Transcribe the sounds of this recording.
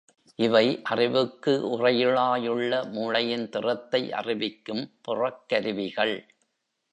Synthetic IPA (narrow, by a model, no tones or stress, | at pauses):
ʔɪʋɐɪʔɐrɪʋɯkːɯʔʊrɐjɪɭaːjɯɭːɐmuːɭɐjɪnt̪ɪrɐt̪ːɐɪʔɐ̰rɪʋɪkːɯmpʊrɐkːɐɾɪʋɪɣɐɭ